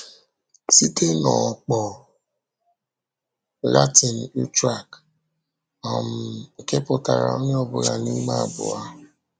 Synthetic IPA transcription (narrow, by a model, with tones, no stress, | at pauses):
si˦te˦nɔ˨k͡pɔ˨ | la˦ti˨n̩˨u˦tɾa˦˨k | ɔ˨m̩˨ke˦pʊ˨ta˨ɾa̰˨ɔ˦ɲɪ˦ɔ˦bʊ˨ɾa˨ni˦ma˦˨bʊ̰˨a˦